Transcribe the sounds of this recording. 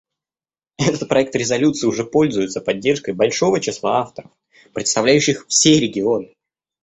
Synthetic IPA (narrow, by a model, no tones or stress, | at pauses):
ɛt̪ət̪̚pɾɐɛk̚t̪ɾʲɪzɐlʲut̪sɨɪʊʐɛpo̞lʲzʊjɪt̪səpɐdʲːe̞rʂkəjbɐlʲʂo̞vət͡ɕɪslˠaaft̪əɾəf | pɾʲɪt̪st̪ɐvlʲæjʉɕːɪxfsʲeɾʲɪɡʲɪo̞nɨ